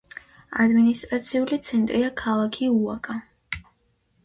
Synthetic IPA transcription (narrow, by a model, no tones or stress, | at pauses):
a̰d̪minist̪ʼɾat̪sʰiulit̪sʰɛnt̪ʼɾiakʰalˠakʰiuakʼa